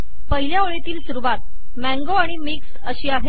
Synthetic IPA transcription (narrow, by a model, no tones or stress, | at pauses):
pəɦiljaoɭet̪iːlsuɾuʋat̪̚ | mæ̃ŋɡoaɽ̃imiks | əɕiːaɦe